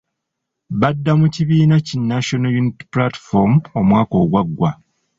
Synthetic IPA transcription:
βadːamuciβiːnacinːaʃonajuniti̥plati̥fomo̞mwaːko̞ːɡwaɡːwa

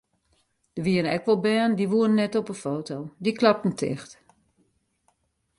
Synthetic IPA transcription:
d̥əʋiənɛ̰kʋɔlˠbɛːndiʋuənnːɛtɔpəfoːtowdiklap̚tn̩tʰɪ̰xt

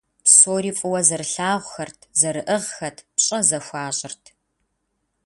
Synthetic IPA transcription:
soːɾiːfʼʊwɐzɐrɬaːʁʷxɐrtʰzɐɾɨʔɨʁxɐtʰpɕʼɐzɐxʷɑːɕʼɪrtʰ

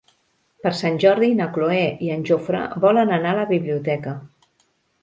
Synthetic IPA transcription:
pəɾsanʲʒɔɾðinəkloɛʔiənʲʒofɾə̰bɔlənənaləβiβliut̪ɛkə

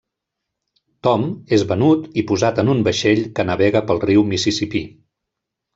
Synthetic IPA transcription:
t̪ɔmezβənut̪ipuzat̪ənumbəʃeʎkənəβɛɣəpəlˠriwmisisipi

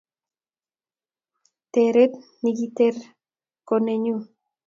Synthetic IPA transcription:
t̪eɾet̪niɣit̪eɾ | koneɲu

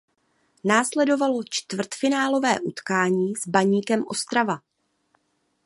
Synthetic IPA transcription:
naːslɛdo̞valo̞t͡ʃt̪vr̩t̪fɪnaːlo̞vɛːʔut̪kaːɲiːzbaɲiːkɛmʔo̞st̪ɾava

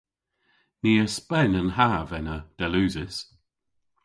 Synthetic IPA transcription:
niːəspɛnənɦavɛnəd̥ɛlʉːzɪs

